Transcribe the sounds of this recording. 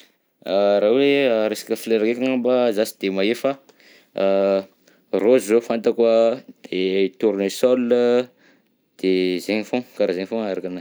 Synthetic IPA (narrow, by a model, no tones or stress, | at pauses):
aɾaweaɾesḁkʲəfleɾakekaŋambazasi̥d̪̥emaefa | rozzofant̪akwəd̪̥et̪uɾnesolə | d̪̥ezeŋifõkaɾazeŋfõŋaɾakanaj